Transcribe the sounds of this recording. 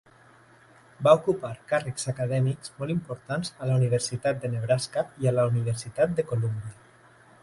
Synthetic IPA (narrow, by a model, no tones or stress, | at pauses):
baukupaɾkarəkz̥akaðɛmikzmɔlimpuɾt̪anzəlauniβ̞əɾsit̪at̪̚d̪əneβɾaskaiələuniβ̞əɾsit̪at̪̚d̪əkolumbiə